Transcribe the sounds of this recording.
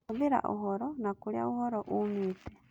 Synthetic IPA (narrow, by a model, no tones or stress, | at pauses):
uβiɾa̰ʔṵɦɔɾɔnakulja̰uhoɾoʔumitɛ